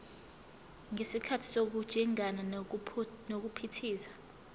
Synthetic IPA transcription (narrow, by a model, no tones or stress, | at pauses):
ŋesikʰatʰi̥sok̬ud̥ʒ̥ʱiŋana | nok̬upʰitʰiːsḁ